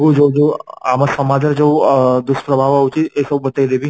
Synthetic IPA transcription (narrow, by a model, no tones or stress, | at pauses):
ɡod͡ʒod͡ʒoamasəmad̪ʱəɾd͡ʒod̪ʊspɾəbʱaʋaʊt͡ʃiesəbbət̪aid̪ebi